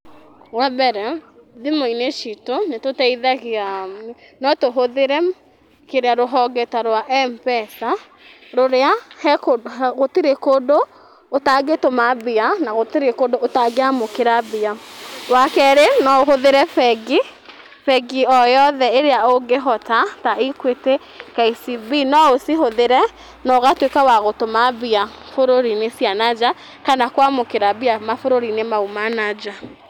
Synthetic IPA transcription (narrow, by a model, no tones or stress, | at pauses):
wɛbɛɾɛðimoineʃitonetotɛiðaɣeam | nɔtoɦoðeɾɛ | keɾeaɾoɦɔɡɛtaɾwaʔɛmpɛsa | ɾoɾeahɛkoɣotiɾekodo | otaɡetomabianaɣoteɾekoːdoʔotaɡeamokeɾabiawakɛɾenɔoɦoðeɾɛfɛɡi | fɛɡiɔjɔðɛeɾeaoɡeɦɔtataikwete | kaisibinɔosiɦoðeɾɛ | nɔɣatwekawaɣotomabia | foɾoɾinesianad͡ʒa | kanakwamokeɾabiamafoɾoɾinemaumanad͡ʒa